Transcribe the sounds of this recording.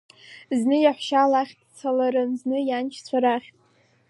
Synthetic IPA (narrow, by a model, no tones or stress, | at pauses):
znɨjaħʷʃalaχʲdʼt͡sʰalaɾɨnznɨjant͡ʃʰt͡sʷʰaɾaχʲtʼ